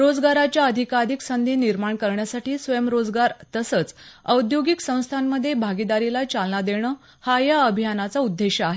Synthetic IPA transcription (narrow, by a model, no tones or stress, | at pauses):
ɾod͡zɡaɾat͡ɕjaəd̪ʱikaɾiksənd̪iːniɾmaɳkəɾɳjasaʈiːsʋəjəmɾod͡zɡaɾt̪əsət͡səwd̪joɡiksə̃w̃st̪ʰamːəd̪ʱːjebʱaɡid̪aɾilat͡salnad̪eɽ̃əː | hajaəbʱijanat͡saud̪ːeɕəaɦe